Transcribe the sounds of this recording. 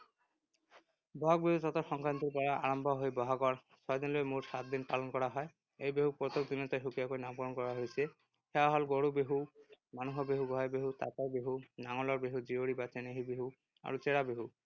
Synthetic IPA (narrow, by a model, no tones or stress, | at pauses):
bɔɦɔk̚beɦutɔt̪ɔxɔŋkɹant̪iɹpɔɹaa̰ɹɔmbʱɔɦojbɔɦɔkɔɹ | sʰɔjd̪inlojmutsat̚d̪inpalɔnkɔɹaɦɔj | ejbeɦupɹɔt̪okd̪inɔtɔjxukijakojnapɔɹɔnkɔɹaɦojsɛ | xɛaɦɔlɡoɹubeɦumanuɦɔbeɦuɡʱɔɦabeɦut̪a̰kajbeɦunaŋɔlɔɹbeɦuzioɹibateneɦibeɦu | a̰ɹut͡sɛɹabeɦu